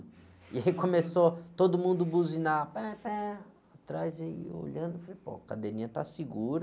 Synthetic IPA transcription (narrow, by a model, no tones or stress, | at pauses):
iaikõmesot̪od̪ʊmũnd̪ʊbuzinapɛpɛ̃ | at̪ɾajzaio̰ʎɐ̃nd̪ʊfalejpo̰kad̪eɾĩɲɐt̪asiɡuɾɐ